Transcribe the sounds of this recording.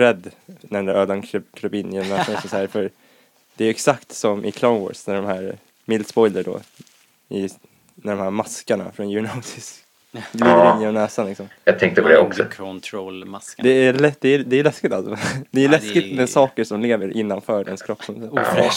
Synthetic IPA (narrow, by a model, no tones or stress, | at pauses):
ɾɛd̪ːnæɖɛnd̪æɾøːd̪ankʰɾkʰɾœbiːnjɔmnɛːsanɔksɔsahæɾfœɾ | d̪̥ɛæjɛksakt̪sɔmʔɪkʰlaʊnwɔ̰ːɖsnæɖɔmhæɾ | mɪld̪spɔjləɖɔ̰ | ɪ | næɖɔmhæɾmaskaɳa̰fɾɔnjʉɳaʊsɪs | ɡliːd̪əɾɪnːjɔmnɛːsanlɪksɔmjɑt̪ʰɛŋk̚t̪əpʰɔd̪ɛɔksɔt̪ʰɾolmad̪ɛælɛd̪ɛd̪ɛæjəlɛskɪt̪alsɔ̰d̪ɛːjəlɛskɪt̪mɛsɑːkəʂɔmleːvəɾʔɪnːanfœːɖɛnskʰɾɔpsɔms